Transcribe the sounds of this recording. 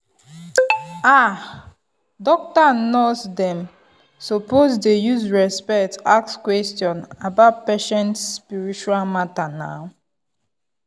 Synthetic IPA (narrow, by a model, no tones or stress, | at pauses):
a | dɔk̚tanosdɛ̃m | sopozdejuzɹɛspɛktak̚skwɛstjɔ̃nabaʊt̚peʃɛ̃ntsːpiɹit͡ʃualmatana̰ʊ